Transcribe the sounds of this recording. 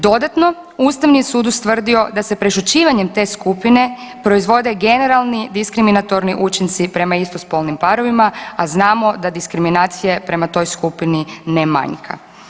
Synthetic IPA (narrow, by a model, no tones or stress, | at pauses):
d̪o̞d̪at̪no̞ | ust̪aʋnisuːd̪ust̪ʋr̩d̪io̞d̪ase̞pɾe̞ʃut͡ɕiːʋaɲe̞mt̪e̞ːskupine̞pɾo̞izʋo̞d̪e̞ɡe̞ne̞ɾalˠnid̪iskɾiminat̪o̞ɾniʔut͡ʃint̪sipɾe̞maist̪ospo̞ːlˠnimpaɾo̞ʋimaaznaːmo̞d̪ad̪iskɾiminaːt̪sije̞pɾe̞mat̪o̞jskupininema̰ɲkʰa̰